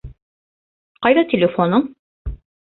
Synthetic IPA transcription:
qɑjðɑt̪ʲɪlʲɪfonɤɴ

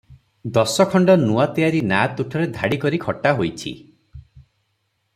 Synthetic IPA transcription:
d̪ɔsɔkʰɔɳɖɔnuat̪ijaɾinat̪uʈʰɔɾed̪ʱaɽikɔɾikʰɔʈaɦojt͡ʃʰḭ

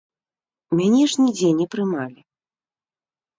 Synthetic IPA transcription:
mʲanʲɛʐnʲid͡zʲenʲɛpɾɨmalʲi

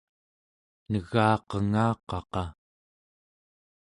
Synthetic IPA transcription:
nəɣɑːqəŋɑːqɑqɑ

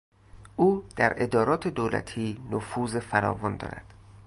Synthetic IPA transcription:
ʔuːd̪̥æɾʔe̞d̪ɒːɾɒːt̪ʰe̞d̪oːlæ̰t̪ʰiːnofuːzefæɾɒ̰ːvɒnd̪ɒ̰ːɾæ̰d̪̥

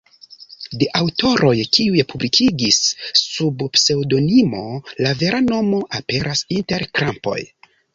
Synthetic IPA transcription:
de̞ʔawto̞ɾʔo̞jkiujpʰublikʰiɡisːubpse̞wdo̞nimo̞lave̞ɾano̞mo̞ʔape̞ɾʔasinte̞ɾkɾampo̞̰j

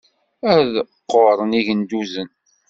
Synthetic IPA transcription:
æðqːoɾˤəniʝənd̪uzən

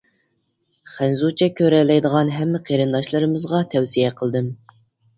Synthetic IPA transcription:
χænzut͡ʃʰɛkʲʰøɾɛlːɛjd̪əʁɑnɦɛmːɪqʰeɾɨnd̪ɑʃlˠɨɾɨmɨzʁɑt̪ʰɛwsijɛqʰəlˠd̪ɨm

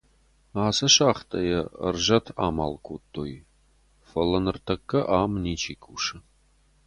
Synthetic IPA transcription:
aːsɐʃaːχt̪ʰɐjɐə̰rʒɐt̪ʰa̰ːma̰ːlkʷʰoːt̪ʰʼːo̰ːj | fɐlɐnɨrt̪ʰɐkːɐʔaːmniːt͡ʃʰʼiːkʰuːʂɨ

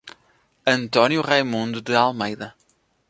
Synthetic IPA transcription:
ɐ̃nt̪ɔnjuʁajmũnd̪uðɨalˠmejðɐ

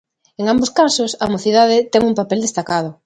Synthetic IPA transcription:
eŋamboskasosamoθið̞að̞ɪt̪ɛŋumpapɛld̪est̪akað̞ʊ

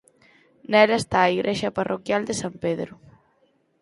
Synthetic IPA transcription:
nɛlaest̪aːiɣɾʔeʃɐparʔokjald̪esampeðɾʊ

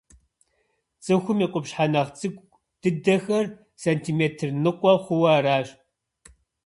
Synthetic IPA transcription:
t͡sʼɨxʷʊmiːqʷʼʊpɕħanɐʁt͡sʼɨɡʷ | d̥ɨdɐxɐr | sɐntʰiːmeːtʰɨrnɨqʷʼɔχʷʊwɐraːɕ

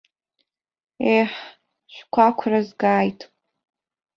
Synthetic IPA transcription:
eħ | ʃʷᶣkʷʰakʷʰrazɡaːjtʰʼ

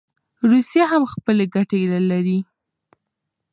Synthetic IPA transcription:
ɾusjaɦamxpəleɡaʈelalaɾi

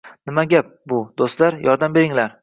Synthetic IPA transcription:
nɪmaɡʲap̚bʊd̪̥ost̪laɾjʔɒɾd̪ambe̞ɾɪŋlaɾ

